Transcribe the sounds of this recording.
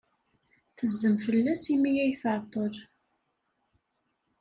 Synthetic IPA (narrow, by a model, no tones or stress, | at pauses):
θəzːəmfəlːæsimijæjθəɾˤt̪ˤəɾ